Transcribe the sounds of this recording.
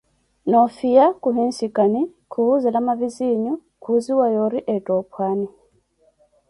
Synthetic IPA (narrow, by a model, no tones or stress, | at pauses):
nɔfijakuɦinsikani | kʰuzɛlamaviziɲu | kʰuziwajɔɾiʔɛtʼɔpʰwani